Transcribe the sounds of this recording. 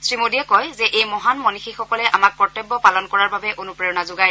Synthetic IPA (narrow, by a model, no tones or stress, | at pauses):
sɹimodijɛkɔjzɛʔejmɔɦanmɔnixixɔkɔlɛʔamak̚pɔtɔbːɔpalɔnkɔɹaɹbabɛʔonupɹeɔnazʊɡaj